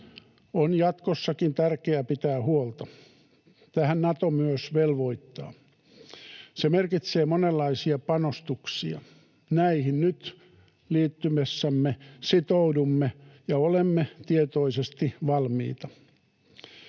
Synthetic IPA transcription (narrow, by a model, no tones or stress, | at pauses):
onjɑt̪kosːɑkint̪ærkeæpit̪æːhuolt̪ɑ | t̪æhænnɑt̪omyøsʋelʋoit̪ːɑ̰ː | semerkit̪seːmonelːɑisiɑpɑnost̪uksiɑ̰ | næihinnyt̪ | liːt̪ːymesːæmːesit̪oudumːejɑolemːet̪iet̪oisest̪iʋɑlmḭːt̪ɑ